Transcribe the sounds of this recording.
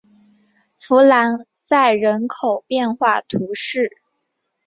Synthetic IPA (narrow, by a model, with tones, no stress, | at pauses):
fu˧˥la˧˥nsa˥˩ɪɻə˧˥nkʰo˨˩ʊpjɛ˥˧nxwa˥˩t̪ʰu˧˥ʂɻ̩˥˩